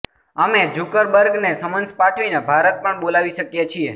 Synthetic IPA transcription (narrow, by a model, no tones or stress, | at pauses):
əmed͡ʒukəɾbəɾɡnesəmənspaʈʰʋinebʱaɾət̪̚pəɳɓolaʋiʃəkjet͡ʃʰie